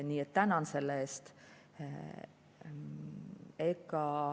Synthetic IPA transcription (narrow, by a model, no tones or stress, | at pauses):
nʲiːet̪t̪ːænɑnse̞lːeːst̪ | ekːɑ